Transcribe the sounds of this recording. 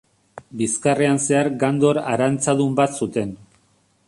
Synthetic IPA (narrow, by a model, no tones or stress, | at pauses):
biskareanse̞aɾɡand̪o̞ɾaɾant͡saðumbat̪sut̪e̞n